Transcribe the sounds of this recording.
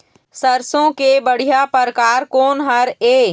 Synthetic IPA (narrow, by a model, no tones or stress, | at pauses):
səɾsõkebəɽ̤ijapəɾkaːɾkoːnɦəɾeː